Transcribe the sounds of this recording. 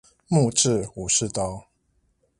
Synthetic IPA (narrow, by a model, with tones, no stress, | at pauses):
mu˥˧˨ʈ͡ʂɻ̩˥˨u˨˩ʂɻ̩˥˨t̪ɑ˥˦ʊ